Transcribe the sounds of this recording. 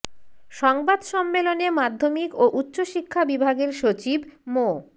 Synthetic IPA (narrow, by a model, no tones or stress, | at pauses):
ʃɔŋbad̪ʃɔmːelonemad̪ʱːomikoʔutːɕoʃikʰːabibʱaɡeɾʃot͡ɕibmo